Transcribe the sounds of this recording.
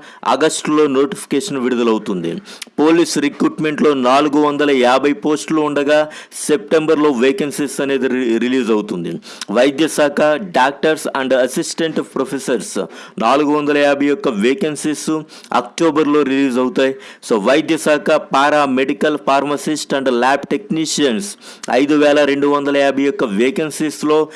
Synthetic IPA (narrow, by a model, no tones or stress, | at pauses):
ɐ̰ɡɐsʈlo̞ːno̞ːʈipʰi̥keːʂɐnʋiɽud̪ɐlɐwt̪und̪ḭpo̞ːlisɾikɾuːʈme̞ɳʈlo̞ːnaːluɡuʋɐnd̪ɐlɐjaːbʱɐjpo̞ːsʈluuɳɖɐɡaːse̞p̚ʈe̞mbɐɾlo̞ːʋeːkensesɐne̞ːd̪iɾiliːzɐwut̪und̪ḭ | ʋɐjd̪jɐsaːkʰɐɖaːk̚ʈɐɾsɐɳɖɐsisʈe̞ɳʈpɾopʰesɐɾsnaːluɡuʋɐnd̪ɐlɐjaːbʱɐjjɔkːɐʋeːkɐnsisu | ɐ̰k̚ʈoːbɐɾlo̞ːɾiliːzɐwut̪aːjisoːʋɐjd̪jɐsaːkʰɐpaːɾaːme̞ɖikɐlpʰaːɾmɐsisʈɐɳɖlaːpʈe̞kniːʂijɐnsɐ̰jd̪uʋɛːlɐɾe̞ɳɖuʋɐnd̪ɐlɐjaːbʱɐjɔkːɐʋeːkɐnsislo̞ː